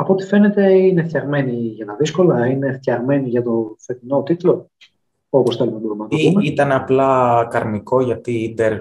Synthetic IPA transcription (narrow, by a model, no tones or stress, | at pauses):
ɐpo̞t̪ife̞ne̞t̪e̞ineθt̪çɐɣme̞niʝɐt̪ɐðisko̞lɐine̞θt̪çɐɣme̞niʝɐt̪o̞θe̞t̪ino̞t̪it̪lo̞ | oposθelumtb̪uɾumnɐt̪oumeit̪ɐnɐplɐkɐɾniko̞ʝɐt̪id̪eɾ